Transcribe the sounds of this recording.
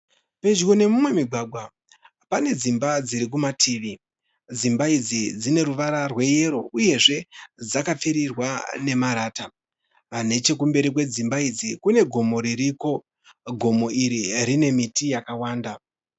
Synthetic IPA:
pe̞d͡ʒwone̞mumwe̞miɡʱwaɡʱwa | pane̞d͡zimbad͡ziɾik̬umatʰiːʋi | d͡zimbaid͡zid͡zine̞ɾuʋaɾarwe̞je̞ɾo̞uje̞ʐe̞d͡zakap͡fiɾirwane̞maɾaːta | ʋan̤e̞t͡ʃe̞kumbe̞ɾik̬we̞d͡zimbaid͡zikune̞ɡʱo̞mo̞ɾiɾiko̞ | ɡʱo̞mo̞iɾiɾine̞mitijakawaːnda

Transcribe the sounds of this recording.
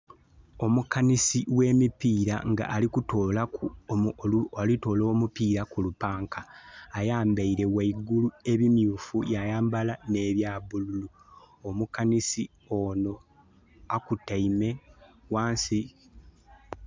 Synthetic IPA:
o̞mukanisiwe̞ːmipiːɾa̰ŋɡa̰ʔːlikutoːlakullito̞ːloːmupiːɾakulupaːŋkaːjaːmbaiɾe̞waiɡulue̞βimjuːfujajaːmbalane̞ːβjaːβululu | omukanisi | o̞no̞ | akutaime̞waːnsi

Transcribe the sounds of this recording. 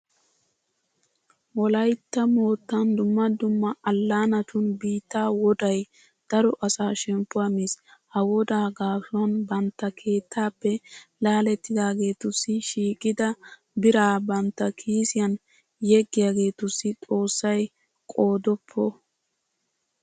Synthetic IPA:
wɔlɐjt̪ːɐmo̞ːt̪ːɐnd̪ʊmːɐd̪ʊmːɐʔɐlːaːnɐt̪ʊnbiːt̪ːaːwɔd̪ɐj | d̪̥ɐɾɔʔɐsaːʃɛmpːʊɐmishɐwɔd̪aːɡaːfʊɐnbɐnt̪ːɐkʰe̞ːt̪ʰːaːpːɛlaːlɛt̪ːɪd̪aːɡe̞ːt̪ʊsːɪʃiːkʼːɪd̪ɐ | bɪɾaːbɐnt̪ːɐkʰiːsɪjɐn | jɛɡːɪjaːɡe̞ːt̪ʊsːɪt̪ʼo̞ːsːɐj | kʼo̞ːd̪ɔpʰːɔ

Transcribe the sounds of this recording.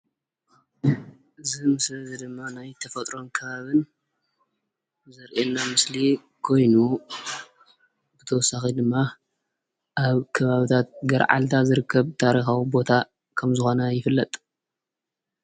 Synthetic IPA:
ʔɨzimɨslɐzɐd̪ɨmːanajt̪ʰɐfɐt̪ʼɾo̞nkʰɐβaβɨn | zɐɾʔenːamɨsli | kʰo̞jnu | bɨt̪ʰɐwɔsːaxid̪ɨmːa | ʔaβkʰɐβaβɨt̪ʰat̪̚ɡɐɾʕa̰lt̪ʰazɨɾɨkʰːɐβt̪ʰaɾixawibo̞t̪ʰa | kʰɐmzɨxo̞nɐjɪfɨlːɐt̪ʼ

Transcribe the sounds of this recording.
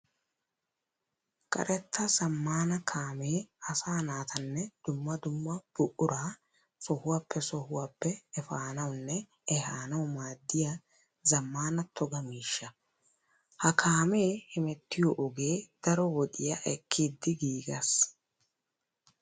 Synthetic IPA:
kʼɐ̰ɾʔɛt̪ːɐsɐmːaːnɐkʰaːme̞ːɐsaːnaːt̪ʰɐnːɛd̪̥ʊmːɐd̪ʊmːɐb̥ʊʔʊɾaː | sɔhʊwaːpʰːɛsɔhʊwaːpːɛɛfaːnɐwʊnːɛ | ɛhaːnɐwʊmaːd̪ːɪja | zɐmːaːnɐt̪ʰɔɡɐmiːʃːɐ | hɐkʰaːme̞ːhɪmɛt̪ːɪjɔʔɔɡe̞ːd̪̥ɐɾɔwɔd̪ɪjɐʔɛkʰːiːd̪ːɪɡiːɡɐs

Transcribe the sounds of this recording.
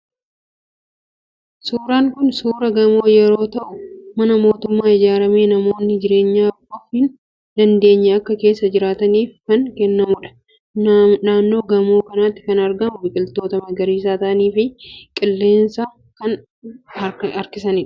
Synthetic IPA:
suːɾaːŋkʊnsuːɾɐɡɐmoːjɛɾo̞ːt̪ɐʔʊmɐnɐmo̞ːt̪ʊmːaːɪd͡ʒaːɾɐme̞ːnɐmo̞ːnːɪd͡ʒɪɾe̞ːɲːaːʔɔfɪn | d̪ɐnd̪e̞ːɲːɐɐkːɐke̞ːsːɐd͡ʒɪɾaːt̪ɐniːfkɐŋkɛnːɐmʊᶑɐ̥ | naːnːo̞ːɡɐmo̞ːkɐnaːt̪ːɪ̥kɐnɐɾɡɐmʊbɪkʼɪlt̪o̞ːt̪ɐmɐɡɐɾiːsaːt̪ɐʔɐniːfɪkʼɪlːe̞ːnsa | kɐn | ɐɐɾkɪsɐnɪᶑɐ̥

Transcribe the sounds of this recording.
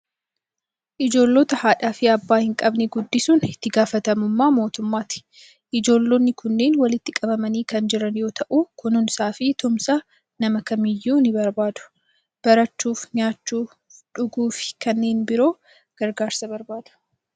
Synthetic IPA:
ʔɪd͡ʒo̞ːlːoːt̪ɐhaːᶑaːfɪɐbːaːhɪŋkʼɐbnɛɡʊd̪ːɪsuːnɪt̪ːɪɡaːfɐt̪ɐmʊmːaːmo̞ːt̪ʊmːaːt̪ɪ̥ | ʔɪd͡ʒo̞ːlːonːɪkʊnːe̞ːnwɐlɪt̪ːɪkʼɐbɐmɐniːkɐnd͡ʒɪɾɐnjo̞ːt̪ɐʔuːkʊnʊnsaːfɪt̪ʊmsa | nɐmɐkɐmɪjːuːnɪbɐɾbaːd̪ʊ̥ | b̥ɐɾɐt͡ʃːuːfɲaːt͡ʃːuː | ᶑʊɡuːfɪ̥kɐnːe̞ːnbɪɾo̞ː | ɡ̥ɐɾɡaːɾsɐbɐɾbaːd̪̥ʊ̥

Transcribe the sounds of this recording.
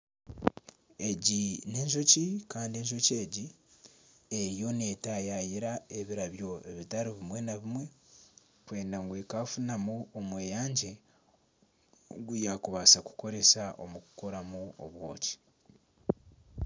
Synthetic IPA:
e̞ɟine̞ːɲʒo̞cikaːndie̞ɲʒo̞ce̞ːɟi | ejo̞ne̞tajajiɾae̞βiɾaβjo̞e̞̰βitaɾiβimwe̞naβimwe̞ | kwe̞ːndaŋɡweːkafunamuomwe̞jaːɲɟe̞ | ɡujakuβasaku̥ko̞ɾe̞saʔo̞̰mukuko̞ɾamuo̰βwo̞̰ːci̥

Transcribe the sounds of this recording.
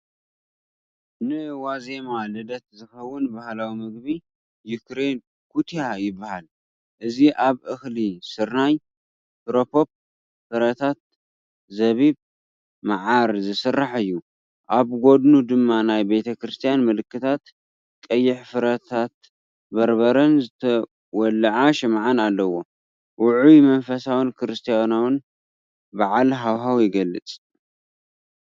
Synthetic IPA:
nɨwaze̞malɨd̪ɐt̪zɨxɐwːʊnbahlawimɨɡ̚bi | jukɾe̞n | kʰut̪ʰjajɪbːahal | ʔɨziʔaβʔɨxlisɨɾnaj | t̪ɾopʰo̞p̚ | fɨɾɐt̪ʰat̪̚ | zɐβiβ | maʕaɾzɨsɨrːaħɨjːu | ʔaβɡo̞d̪nud̪ɨmːanajbet̪ʰɐkɾɨst̪ʰijanmɨlɨkːɨt̪ʰat̪ | kʼɐjːɪħfɨɾɐt̪ʰat̪ | bɐɾbɐɾɐnzɨt̪ʰɐ | wɔlːɐʕaʃɨmʕanalːɐwo̞ | wʔʊʕumɐnfɐsawɨnkʰɾɨst̪ʰijanawn | baʕalɦawɦawjɪɡɐlːɨt͡sʼ

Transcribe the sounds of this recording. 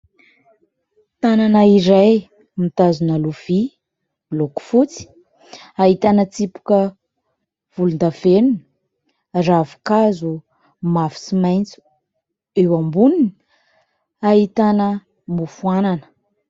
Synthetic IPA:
t̪ananaiɾaj | mit̪azunaluv̥i | loku̥fut͡si̥ | aɦit̪anət͡sipu̥kə | v̥ulund̪avenuni̥ | ravu̥kazu | mafi̥simajnt͡su̥ | ewambunini̥ | ait̪anə | mufuananə̥

